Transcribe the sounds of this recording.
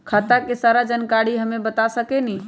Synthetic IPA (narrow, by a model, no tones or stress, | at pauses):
kʰət̪akesaɾad͡ʒənkaɽiɦəmebət̪asəkɛni